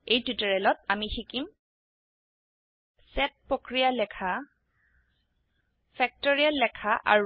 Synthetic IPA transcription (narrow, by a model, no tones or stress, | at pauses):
ejtitɔɹɛlɔtamixikim | sɛt̚pɹokɹijalɛkʰa | fʰɛk̚tɔɹialːɛkʰaʔa̰ɹu